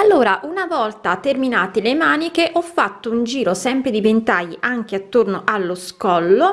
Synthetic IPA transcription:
alːoːɾaʔunavɔlt̪at̪ːerminaːt̪elemaːnikeʔɔfːat̪ːound͡ʒiːɾosɛmpɾed̪ibent̪ajʔaŋk̟eat̪ːornoʔalːoskɔlːo

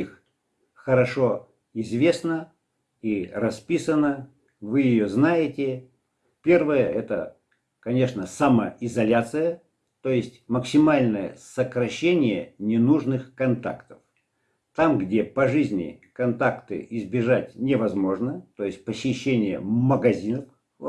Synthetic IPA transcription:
ix | xəɾɐʂo̞ | ɪzvʲe̞snə | irɐspʲisənə | vɨjɪjoznajɪtʲɪ | pʲe̞rvəjəɛt̪ə̰ | kɐnʲe̞ʂnəsaməɪzɐlʲat̪sɨjə | t̪ojɪsʲtʲməksʲɪmalʲnəjə̰səkɾɐɕːenʲɪjənʲɪnuʐnɨxkɐnt̪a̰kt̪ə̥f | t̪amɡdʲe̞pɐʐɨzʲnʲɪ̰kɐnt̪akt̪ɨ̰ʔɪzbʲɪʐatʲnʲɪvɐzmo̞ʐnət̪o̞jɪsʲt̚ʲpəsʲɪɕːenʲɪjə̰məɡɐzʲinəf

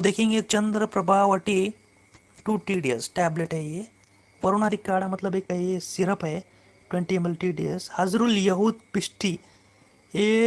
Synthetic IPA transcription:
d̪eːkʰĩːŋɡet͡ʃɐnd̪ɾəpɾɐbʱaːʋɐʈi | ʈuːʈiːɖiɐsʈɛːbleʈɐje | ʋɐɾunaːɾikaːɽamɐt̪lɐbekɐjesiɾɐpe | ʈwẽɳʈiemelʈiːɖiɐshɐzɾuljɐɦud̪̚piʂʈi | e

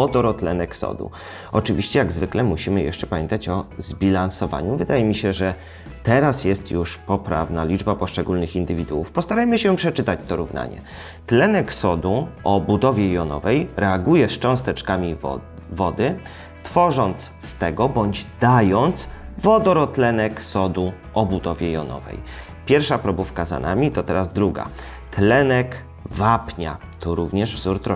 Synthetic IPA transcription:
ɔd̪ɔɾɔt̪lɛnɛksɔ̰d̪ṵ | ɔt͡ʂɘvʲiɕt͡ɕɛjaɡzvɘklɛmuɕimɘjɛ̰ʂt͡ʂɛpamʲjɛnt̪at͡ɕɔzbʲilansɔva̰ɲuvɘd̪ajɛmʲiɕɛʐɛ | t̪ɛɾasjɛst̪juʂpɔpɾa̰vnalʲid͡ʐbapɔʂt͡ʂɛɡulnɘxind̪ɘvʲid̪uwufpɔst̪aɾajmɘɕɛpʂɛt͡ʂɘt̪at͡ɕt̪ɔɾuvna̰ɲɛ̰ | t̪lɛnɛksɔd̪uɔbud̪ɔvʲjɛjɔnɔ̰vɛjɾɛaɡujɛst͡ʂɔ̃w̃st̪ɛt͡ʂkamʲi | vɔd̪ɘ | t̪fɔʐɔnt̪sst̪ɛɡɔbɔɲd͡ʑd̪ajɔnt̪svɔd̪ɔɾɔt̪lɛnɛksɔd̪u | ʔɔbud̪ɔvʲjɛjɔ̰nɔ̰vɛ̰j | pʲjɛɾfʂapɾɔbufkaza̰nʔamʲit̪ɔt̪ɛɾazd̪ɾuɡa̰ | t̪lɛnɛk | vapɲa̰ | t̪ʰɔɾuvɲɛʐvzuɾt̪ɾɔ

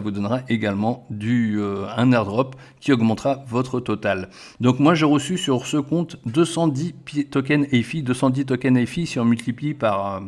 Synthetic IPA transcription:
avud̪ɔnʁaʔeɡalmɑ̃d̪yøɛ̃nɛʁd̪ʁɔp | kʲiɔɡmɑ̃t̪ʁavɔt̪χət̪ɔt̪al | d̪ɔ̃kmwaʒeʁəsysyʁsəkɔ̃t̪d̪øsɑ̃d̪ipet̪ɔk̬ɛnefid̪øsɑ̃d̪it̪̬ɔkʲɛnɛfisiɔ̃mylt̪iplipaʁø

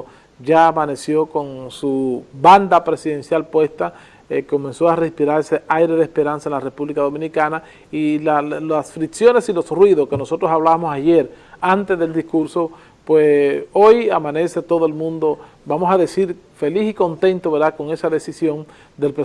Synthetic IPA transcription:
ɟ͡ʝaːmane̞sjo̞ko̞nsuβand̪apɾe̞siðe̞nsjalpwe̞st̪a | ko̞mẽ̞nso̞arespiɾaɾeseajɾe̞ðespe̞ɾansaenlare̞puβlikaðo̞mĩnikana | ilalasfɾiksjo̞ne̞silo̞srwiðoske̞no̞so̞t̪ɾosaβlaβamosaʝe̞ɾant̪e̞zðeld̪iskuɾso̞ | pwesojamãne̞se̞t̪o̞ðoe̞lmũnd̪o̞ | bamo̞saðe̞siɾ | fe̞lisiko̞nt̪e̞nt̪oβe̞ɾðako̞ŋe̞saðe̞sisjo̞n | d̪e̞lpɾe

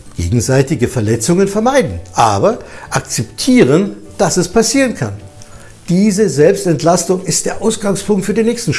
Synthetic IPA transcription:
ɡ̥ḛːɡŋ̩zaɪtɪɡəfɛɐlɛt͡sʊŋənfɛɐmaɪdn̩ʔaːbɐʔakt͡sɛptʰiːʁ̞ən | d̥asɛspʰasiːʁənkʰa̰n | d̥iːzəzɛlpstɛntlastʊŋɪst̚d̥eːɐʔaʊsɡ̥aŋspʰʊŋktfyːɐdeːnːɛːçstn̩ʃ

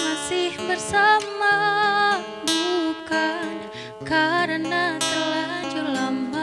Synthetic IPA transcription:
masɪhbərsama | bukan | kaɾənat̪əlad͡ʒulamba

